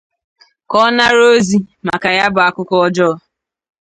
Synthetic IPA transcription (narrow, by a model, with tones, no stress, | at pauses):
kɔ˦na˦ɾo˦zi˦ma̰˨ka˨ja˦bʊ˨a˨kʊ˦kʊ˦ɔ˦d͡ʒɔ˦